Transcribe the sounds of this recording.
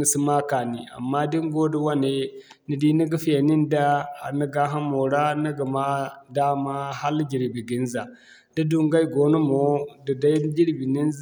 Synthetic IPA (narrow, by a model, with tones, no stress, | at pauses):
nə˨si˦ma˦ka˨nḭ˨a̰˨mːa˦di˦ŋɡo˦də˦wa˦ne˨ | nə˨di˦ni˦ɡə˦fi˦ja˨ni˦nda˦a˨nə˦ɡa˦ɦa˦mo˨ɾa˦nə˦ɡə˨ma˦da˦ma˦ha˦ld͡ʒi˨ɾi˨bi˨ɡi˦nza̰˨ | da˦du˦ŋɡa˦ji˦ɡo˦no˦mo˨˦də˨da˦i˦d͡ʒi˦ɾbi˨ni˦n˦